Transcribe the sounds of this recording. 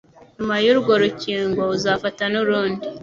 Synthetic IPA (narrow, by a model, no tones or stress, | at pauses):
ɲumajuɾɡoɾuciːŋɡwouzafatanuɾuːndi